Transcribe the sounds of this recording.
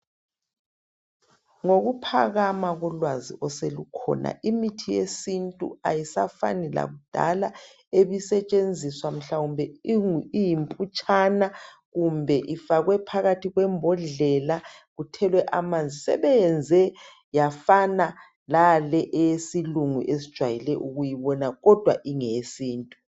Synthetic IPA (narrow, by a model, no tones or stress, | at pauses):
ŋoɣupʰa̰ɣamaɣɔlwazḭʔɔselukʰɔ̰na̰ʔimitʰijesintʼṵa̰jisafa̰nɛla̰ɣud̥ʱa̰la | eβisɛt͡ʃʼend͡zʱiswam̩ɬaumbʱɛijimpʼut͡ʃʼana | ɣumbʱɛʔifaɣwɛpʰaɣatʰiɣwɛmbʱɔɮɛlaɣutʰɛlwɛʔamand͡zʱisɛ̰βɛjɛnd͡zʱɛ | jafana | lalɛʔɛesiluŋuʔes̬id̥ʒ̥ʱwajilɛʔuɣujiβɔnaɣɔd̥ʱwa̰ʔiŋesiːntʼu